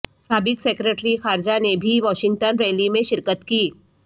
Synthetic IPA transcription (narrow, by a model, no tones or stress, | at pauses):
saːbɪksɛːkɾeʈɾixaːɾd͡ʒanebʱiʋɔːʃɪ̃ŋɡʈənɾɛːlimẽʃɪɾkət̪kiː